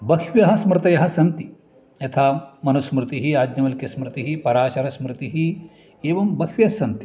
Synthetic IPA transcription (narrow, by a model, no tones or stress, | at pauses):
bɐkʰʋjɐɦɐsmɾɨt̪ɐjɐɦɐsɐnt̪i | jɐt̪ʰaːmɐnusmɾɨt̪iɦiaːd̪ɲɐmɐlkɐsmɾɨt̪iɦipɐɾaːt͡ʃɐɾɐsmɾɨt̪iɦi | eːʋɐmbɐkʰʋijɐsɐnt̪i̥